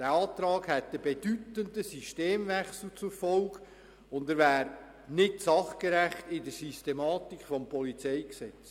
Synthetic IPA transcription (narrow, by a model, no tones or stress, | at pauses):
d̥æːɑːt̪ɾɑːɡhɛtəb̥edytəndəsyʃteːmvɛχsl̩t͡sʊɾfɔlɡ | ʊndəɾvæːɾ | nɪtsɑχkəɾæχtɪdəɾsystemɑːtikχfɔmpɔlit͡sɛjksɛt͡s